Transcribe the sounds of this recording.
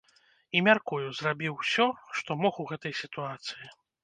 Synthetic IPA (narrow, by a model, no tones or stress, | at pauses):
imʲarkujuzrabʲiwsʲɔʂt̪ɔmɔxuɣɛt̪ɐjsʲit̪uat̪sɨji